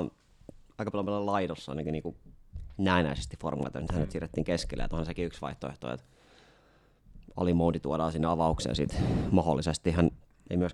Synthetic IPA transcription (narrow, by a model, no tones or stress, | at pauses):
ɑikɑpɑlompælɑlɑidosːɑ̰inɑkiniːkunæinæisest̪ifformṵlɑ̰t̪ɑ̰snit̪hænːet̪siːret̪ːiːŋkeskilːæ̰j̰t̪uohɑnsekiyksʋɑ̰iht̪oḛht̪o̰ːḛt̪ | ɑ̰limount̪it̪uodɑːsinːeɑʋɑuksḛsit̪mɑho̰lːisest̪ihæn | ḛimyøs